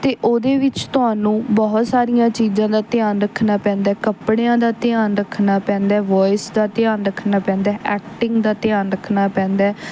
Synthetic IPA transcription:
t̪eːʔoːd̪eːʋɪt͡ʃt̪ʊɦaːnũːbɔɦt̪saːɾijãːt͡ʃiːzãːd̪aːt̪ɪaːnɾəkʰːnaːpɛ̃ːnd̪aːkəpɽẽãːd̪aːt̪ɪaːnɾəkʰnaːpɛ̃ːnd̪aːʋɔːɪsd̪aːt̪ɪjaːnɾəkʰːnaːpɛ̃ːnd̪aːʔɛːk̚ʈɪŋɡd̪aːt̪ɪjaːnɾəkʰːnaːpɛ̃ːnd̪aːɛː

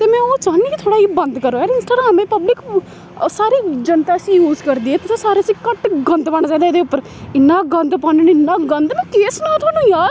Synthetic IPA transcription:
t̪eːmɛ̃ːoːt͡ʃaːniːkit̪ʰoːɽaːiːbənd̪kəɾoːaːɾɪnsʈaːɡɾaːmẽːpəblɪk | saːɾiːd͡ʒənt̪aːəsĩːjuːzkəɾd̪iːɦeːt̪ʊsãsaːɾesĩːkəʈɡə̃nd̪pəɽ̃aːt͡ʃaiːd̪aːeːd̪eːʊpːəɾ | ɪnːaːɡənd̪pãːɳeneɪnːaːɡənd̪nɛ̃keːsnãt̪ʰʊaːnũːjaːɾ

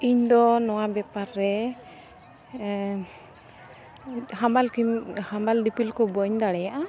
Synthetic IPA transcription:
iɲd̪ɔnɔwabɛpaɾːɛ | hambalkihambaldipʰilkɔbɔɲd̪aɽɛjaʔa

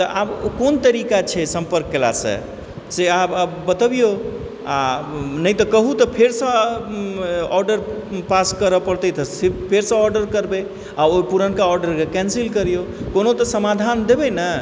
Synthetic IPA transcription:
t̪əʔabokont̪əɾikat͡ʃʰɛsəmpəɾkːela̰sə̰̃ | seababbət̪əbijo | a̰nəjt̪əkəɦut̪ɔpʰeɾsə̃ | ɔɾɖəɾ | paskəɾəpəɾt̪ət̪əsepʰeɾsə̃ɔɾɖəɾkəɾbe | aopuɾənkaɔɾɖəɾkekɛ̃nsilkəɾijokonot̪əsəmad̪ʱand̪ebɛnə

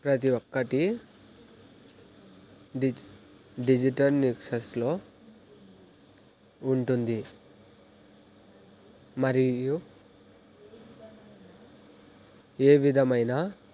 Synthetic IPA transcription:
pɾɐt̪̬iʋokːɐʈi | ɖid͡ʒiʈɐlnikʂɐsloː | uɳʈund̪i | mɐɾiju | eːʋid̪ʱɐmɐjnaː

